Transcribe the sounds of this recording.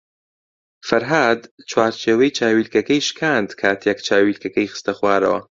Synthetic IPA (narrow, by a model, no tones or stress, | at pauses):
fɐɾɦaːd̪t͡ʃʰwaːɾt͡ʃʰeːwɐjt͡ʃʰaːwiːlkɐkɐjʃkʰaːnd̪kʰaːt̪ʰjɛkt͡ʃʰaːwiːlkɐkɐjxɨ̥st̪ɐxwaːɾɐ̰wɐ̰